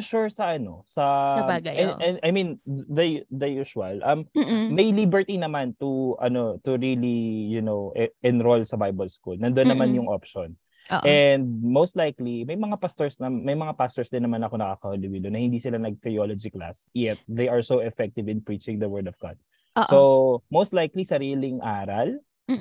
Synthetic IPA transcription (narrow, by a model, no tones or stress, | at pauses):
ʃuɹsɐʔɐno̞̰sɐsɐbaːɡɐɛ̰ɛ̃ɐjmĩnd̪ɐd̪ɐjuʃɐlʔɐmːɐjlibɛɹt̪inɐmant̪uʔɐ̰no̞t̪ʊɹilijʊnowʔɛnɾolsɐbajbɐlskulnɐnd̪onːɐmanjʊŋʔopʃon | oʔɛnd̪̚mowst̪lajklimɐjmɐŋapast̪ɔɹsnɐmɐjmɐŋapast̪oɹsd̪ɪnːɐmanɐkonɐkaːkɐhʊlɪwilonɐhɪ̃nd̪isɪlanɐɡ̚t̪ɾɪjolod͡ʒikla̰sjɛt̪̚d̪ejɐɹsowɛfɛk̚t̪ɪvɪ̃npɹit͡ʃɪ̃ŋd̪ɐwɜɹd̪ɔvɡa̰d̪̚ | somowst̪lajklisɐɾiːlɪŋʔaːɾɐl